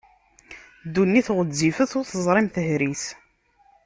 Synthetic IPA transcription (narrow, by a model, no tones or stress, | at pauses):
d̪unːiθʁəd͡zːifəθʊɾθəzˤɾˤɪmθəhɾiθ